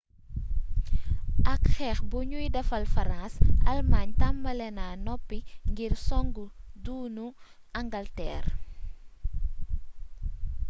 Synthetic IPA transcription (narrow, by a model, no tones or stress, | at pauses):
ʔɐkxɛːxbuɲujdɐfɐlfɐɾãnsɐlmaɲtɐmbɐlɛnaːnɔpːiŋɡirsɔŋɡuduːnu | ɐŋɡɐltɛ̰ːr